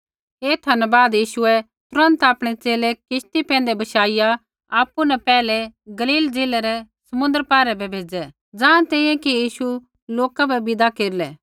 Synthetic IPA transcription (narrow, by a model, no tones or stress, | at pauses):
eːt̪ʰɐnbaːd̪jiːʃʊɛ | t̪ʊɾə̃nt̪aːpɽ̃et͡seːlekɪʃt̪ipɛ̃ːn̆d̪ebɐʃaːɪja | aːpːunɛpɛːlɛɡɐliːld͡zeːlɛɾɛsɐmʊ̃nd̪əɾpaːɾɛbʱɛbʱeːd͡zɛ | d͡zãːɽ̃t̪ɛ̃ːĩjɛ̃kijiːʃu | loːkabɛbɪd̪akeːɾlɛː